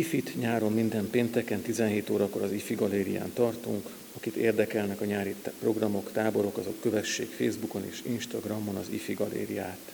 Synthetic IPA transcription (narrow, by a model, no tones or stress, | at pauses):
ifit̪ɲaːɾo̞mːind̪ɛmpeːnt̪ɛkɛnt̪izɛnɦeːt̪oːɾɒko̞ɾɒzifiɡɒleːɾija̰ːnt̪ɒrt̪uŋk | ɒkit̪ḛːrd̪ɛkɛlnɛkɒɲaːɾit̪pro̞ɡrɒmo̞kt̪aːbo̞ɾo̞kɒzo̞kːø̞vɛʃːeːkfḛːzbuko̞nḛːʃinʃt̪ɒɡrɒmːo̞nɒzifiɡɒlḛːɾijaːt̪